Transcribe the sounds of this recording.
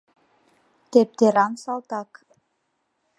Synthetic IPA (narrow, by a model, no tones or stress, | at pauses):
t̪ep̚t̪ɪɾansalt̪ak